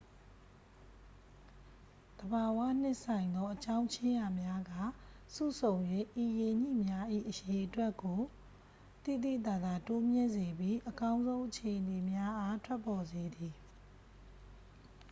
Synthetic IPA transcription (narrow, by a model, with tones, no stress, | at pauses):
d̪̥əba˨wa̰˦˨n̥ɪ˦ʔsã˨ɪ̃nd̪ɔ˦ʔət͡ɕã˦ʊ̃ɲt͡ɕʰɪ̃˦ja˨mja˦ɡa˦˨ | sṵ˦˨sʰõ˨ʊ̃njwe˦ʔi˨je˨ɲḭ˦˨mja˦ʔḭ˦˨ʔəje˨ʔətwɛ˦ʔko˨ | t̪ḭ˦˨d̪ḭ˦˨t̪a˨d̪a˨to˦mjɪ̃˦˨nze˨bji˦ʔəkã˦ʊ̃nzõ˦ʊ̃ʔət͡ɕʰe˨ʔəne˨mja˦ʔa˦tʰwɛ˦pːɔ˨ze˨d̪i˨